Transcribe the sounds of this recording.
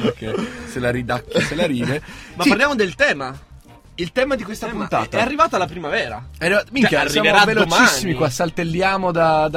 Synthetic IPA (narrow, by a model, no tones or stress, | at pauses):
ekeselaɾid̪akːaselaɾiːvemapspaɾljaːmod̪elt̪ɛːma | ilt̪ɛːmad̪ikwest̪apunt̪a̰ːt̪aɛarːivaːt̪oalːapɾimavɛːɾa̰ɛrːivatmikasːjamoavelomt͡ʃaisːimikwasːalt̪elːjaːmod̪ad̪